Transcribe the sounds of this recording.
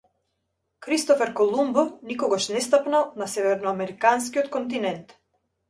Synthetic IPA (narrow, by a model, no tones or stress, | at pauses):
kɾist̪ɔfɛɾkɔlˠumbɔnikɔɡaʃnɛst̪apnanasɛvɛɾnɔamɛɾikanskiɔt̪kɔnt̪̬inɛnt̪